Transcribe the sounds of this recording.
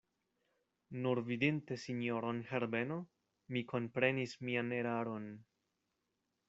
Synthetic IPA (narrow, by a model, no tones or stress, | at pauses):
nuɾvidinte̞siɲo̞ɾo̞nhe̞ɾbe̞no̞ | mikʰo̞npɾe̞nismiane̞ɾaɾo̞n